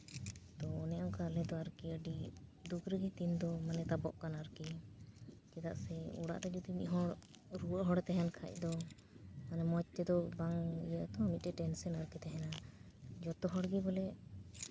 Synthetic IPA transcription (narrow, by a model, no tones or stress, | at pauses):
t̪ɔːnɛjaŋkalɛd̪ɔaɾkiəɖid̪ukɾəɡit̪ind̪ɔmanɛt̪abɔʔkanaɾki | d͡ʒɛd̪aʔsɛṵɽa̰ʔt̪ɛd͡ʒɔd̪imiʔɦɔ | ɾuəʔɦɔɽɛt̪ɛɦɛnkʰa̰c̚ˀd̪ɔ | manɛmɔt͡ʃ̚t̪ɛd̪ɔbaŋijaʔt̪ɔmit̪̚ˀɛʈɛnsɔnaɾkit̪ɛɦɛna | d͡ʒɔt̪ɔɦɔɽɡibɔlɛʔ